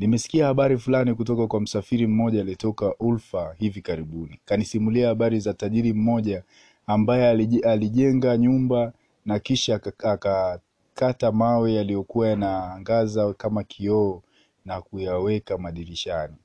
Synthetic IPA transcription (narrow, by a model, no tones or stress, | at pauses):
nimɛsi̥kiahaɓaɾifulanikutɔkakwam̩safiɾim̩mɔʄaːliɛtɔkaʔulfahivikaɾiɓunikanisimuliahaɓaɾizataʄiɾim̩mɔʄaː | mbajɛaliʄɛŋɡaɲumba | nakiʃaːka | katamawɛjalijɔkuwajanaːŋɡazakamakʰiɔː | nakujawɛkamaɗiɾiʃani